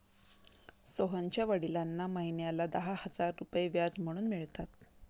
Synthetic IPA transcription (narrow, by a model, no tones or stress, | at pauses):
soɦaɲt͡ɕjaʋəɽilanːaməɦinjalad̪əɦahəd͡zaɾːupjeʋjad͡zm̤əɽ̃uːnmiɭt̪at̪̚